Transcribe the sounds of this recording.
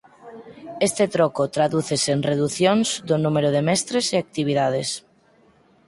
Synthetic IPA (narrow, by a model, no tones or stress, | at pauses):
est̪et̪ɾokot̪ɾaðuθesenreðuθjonzðonumeɾoðemɛst̪ɾeseak̚t̪iβ̞iðað̞es